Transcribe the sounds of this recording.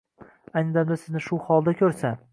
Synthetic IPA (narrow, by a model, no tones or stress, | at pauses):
ajnɪd̪amd̪asɪznɪʃʊhɒlˠd̪akʲʰɵɾsa